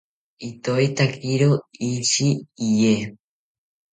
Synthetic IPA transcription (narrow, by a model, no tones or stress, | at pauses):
it̪oit̪akiɾoiʃiːje